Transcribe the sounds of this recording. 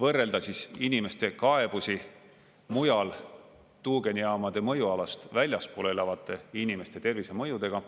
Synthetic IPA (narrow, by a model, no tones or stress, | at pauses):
vɤrːe̞ld̪ɑsisinime̞st̪e̞kɑeb̥usi | mujɑl | t̪uːɡe̞nʲijɑːmɑd̪̥e̞mɤjuɑlɑst̪vælʲjɑspulelɑvɑt̪ːˑe̞inime̞st̪e̞t̪e̞rvise̞mɤjud̪̥e̞ɡ̥ɑ